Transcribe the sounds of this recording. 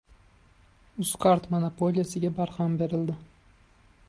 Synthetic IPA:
ʊskaɾt̪monapolʲijasɪɡʲabaɾhɑmbe̞ɾɪld̪ɪ

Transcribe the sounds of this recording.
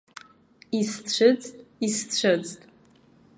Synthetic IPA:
ist͡ɕʷʰɨd͡ztʼist͡ʃʷʰɨd͡ztʼ

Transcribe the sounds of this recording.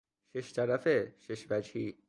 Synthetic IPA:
ʃeʃt̪aɾafeʃeʃbad͡ʒi

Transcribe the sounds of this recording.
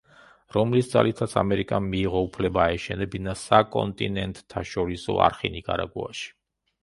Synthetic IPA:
ɾɔmlisd̪za̰lit̪ʰat̪sʰamɛɾikʼamiːʁɔupʰlɛbaːɛʃɛnɛbinasakʼɔ̰nt̪ʼinɛnt̪ʼt̪ʰːaʃɔɾisɔ̰a̰ɾχinikʼa̰ɾa̰ɡua̰ʃi̥

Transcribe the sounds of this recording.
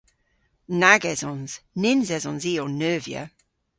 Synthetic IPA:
naɡɛzɔnz̥nɪnzɛzɔnziːɔnːøːvjə̰

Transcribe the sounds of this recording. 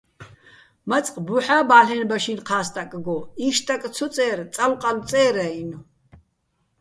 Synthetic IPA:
mat͡sʼqʼbuħaːbaːɬɛnbaʃinqʰaːst̪ʼakʼɡɔiʃt̪ʼakʼt͡sʰɔt͡sʼɛːɾt͡sʼalqʼalt͡sʼɛːɾainu

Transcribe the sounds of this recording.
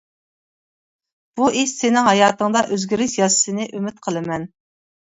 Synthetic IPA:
b̥uʔiʃsɪnɪŋɦɑjɑːt̪əŋd̪ɑʔøzɡʲyɾɪʃjɑsɨ̥sɨnɨɪʔømɪt̪̚qʰəlˠɨmɛn

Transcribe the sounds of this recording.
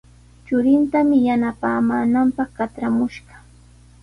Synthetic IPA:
t͡ʃʊɾɪnt̪amɪjanapaːmaːnampɑχkat͡ʃɾamʊʃɢɑ̥

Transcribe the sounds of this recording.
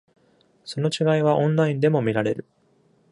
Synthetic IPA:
so̞no̞t͡ɕiɡaiβ̞aʔõ̞nɾaĩnd̪e̞mo̞mʲiɾaɾe̞ɾɯ̟

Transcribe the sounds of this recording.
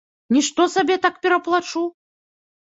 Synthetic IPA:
nʲiʂt̪ɔsabʲɛt̪akpʲɛɾɐplˠat͡ʂu

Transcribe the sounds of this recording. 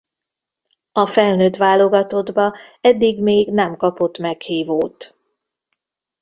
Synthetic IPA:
ɒfɛlnøːt̪ʋaːlo̞ɡɒt̪o̞d̪bɒɛd̪ːiɡmeːɡnɛmkɒpo̞t̪mɛkhiːvoːt̪

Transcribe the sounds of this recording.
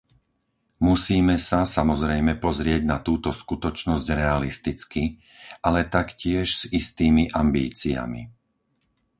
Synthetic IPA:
musiːmɛsasamɔzɾɛjmɛpɔzɾɪɛɟnat̪uːt̪ɔskut̪ɔt͡ʃnɔzɟɾɛalist̪it͡ski | alɛt̪akcɪɛʃz̥ist̪iːmiʔambḭːt͡sḭa̰mḭ

